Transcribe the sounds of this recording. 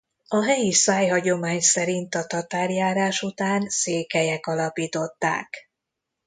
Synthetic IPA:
ɒɦɛjisaːjɦɒɟo̞maːɲsɛɾint̪ɒt̪ɒt̪aːrjaːɾaːʃut̪aːnseːkɛjɛkɒlɒpiːt̪o̞t̪ːa̰ːk

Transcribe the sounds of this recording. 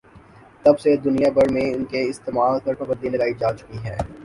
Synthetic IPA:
t̪ɐbsed̪ʊnijabɐɾmẽʊnkeɪst̪eːmaːlpɐɾpɐbə̃nd̪ilɐɡaːid͡ʒaːt͡ʃʊ̥kiɦɛ̰̃ː

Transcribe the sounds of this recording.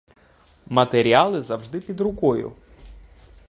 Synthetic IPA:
mɐt̪eɾʲialˠɪzɐwʒd̪ɪpʲid̪ɾʊkɔjʊ̰

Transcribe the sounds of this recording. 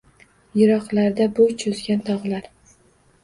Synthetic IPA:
jɪɾɒqlaɾd̪abʊt͡ʃʰʊzɡʲant̪ʰɒʁlaɾ

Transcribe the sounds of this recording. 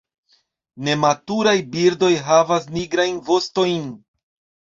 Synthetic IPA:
ne̞matuɾajbiɾdo̞jɦavas̬niɡɾajnvo̞sto̞jn

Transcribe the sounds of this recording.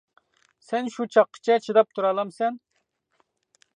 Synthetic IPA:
sɛnʃut͡ʃʰɑqʰːə̥t͡ʃʰɛt͡ʃʰid̪ɑp̚t̪ʰuɾɑlˠɑmsɛn

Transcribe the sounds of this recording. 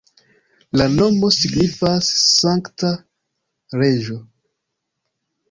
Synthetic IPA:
lano̞mo̞siɡnifasːaŋkta | ɾe̞ʒo̞

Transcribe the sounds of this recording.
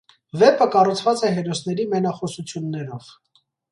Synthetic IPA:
vɛpəkɑrut͡sʰvɑt͡sɛɦɛɾɔsnɛɾimɛnɑχɔsut͡sʰjunːɛɾɔv̥

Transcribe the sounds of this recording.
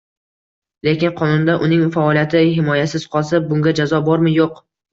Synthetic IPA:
le̞kʲɪnqʰɒnʊnd̪aʔʊnɪŋfaɒlijat̪ʰɪhɪmɒjasɪz̥qʰɒlˠsabʊŋɡʲad͡ʒazɒbɒɾmɪjoq

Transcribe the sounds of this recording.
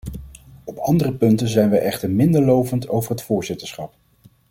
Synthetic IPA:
ɔpɑndərəpɵntənzɛjnʋɛjʔɛχtəɹmɪndəɹlowvəntʰo̰wvəɹɦətfʊːɹzɪtəɹsχɑp̚

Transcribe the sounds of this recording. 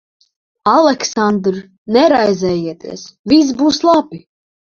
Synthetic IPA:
alˠɛksand̪ɾ | nɛɾajzɛːjiɛt̪ḭɛsvis̬buːslˠabi

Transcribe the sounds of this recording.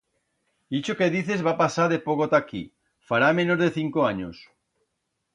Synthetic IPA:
it͡ʃokeðiθezβapasaɾðepoɣot̪akḭ | faɾamẽnozðeθiŋkoaɲos

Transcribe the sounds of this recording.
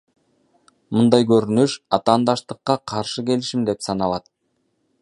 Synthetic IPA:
mɯnd̪ɑjkøɾynyʃɑt̪ɑːnd̪ɑʃt̪ɯqːɑqʰɑɾʃɯke̞liʃimd̪e̞psɑnɑlˠɑt̪̚

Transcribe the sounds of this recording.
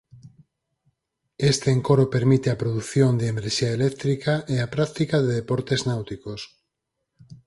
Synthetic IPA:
est̪eːŋkoɾopeɾmit̪eapɾoðuθjond̪eemeɾʃiaelɛkt̪ɾikaʔeapɾakt̪ikaðeðepoɾt̪eznawt̪ikos

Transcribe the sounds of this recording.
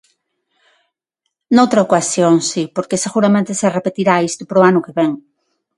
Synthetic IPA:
nowt̪ɾaokasjoŋsipoɾkeseɣuɾamẽnt̪eserepet̪iɾaist̪opoɾoanʊkeβeŋ

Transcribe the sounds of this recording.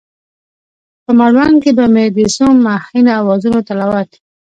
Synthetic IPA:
pəmaɽwankebamed̪isumːahinaːwɑzunot̪alawat̪i̥

